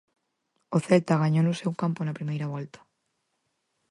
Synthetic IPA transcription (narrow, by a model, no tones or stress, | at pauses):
oθelt̪aɣ̞aɲonʊsewkamponɐpɾimejɾɐβ̞ɔlt̪ḁ